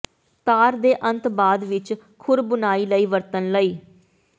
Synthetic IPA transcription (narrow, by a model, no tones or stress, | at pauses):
t̪aːɾd̪eːʔə̃nt̪baːd̪ʋɪt͡ʃkʰʊɾbʊnaːiːləiːʋəɾt̪ənləiː